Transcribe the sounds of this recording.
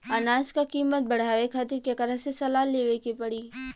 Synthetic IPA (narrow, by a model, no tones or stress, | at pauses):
ɐnaːd͡ʒkakiːmət̪̚bɐɽ̤aːʋekʰaːt̪ɪɾkekɐɾəɦsesɐlaːleːʋekipɐɽiː